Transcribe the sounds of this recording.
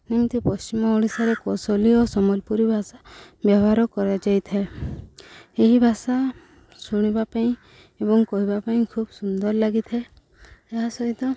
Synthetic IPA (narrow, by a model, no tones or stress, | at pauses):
nimt̪upɔst͡ʃimɔoɽ̃isaɾekɔsoliosɔmɔlpuɾibʱasabjɔbɦaɾɔkɔɾad͡ʒajt̪ʰae | eɦibʱasa | suɽ̃ibapaĩ | ebɔŋkɔɦibapaĩkʰubsund̪ɔɾlaɡit̪ʰae | eɦasɔɦit̪ɔ